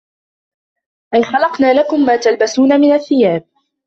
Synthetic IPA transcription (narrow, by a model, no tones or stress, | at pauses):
ʔajxɑlɑqnaːlakʊmːaːt̪albasuːnamɪnaθːɪjaːb̚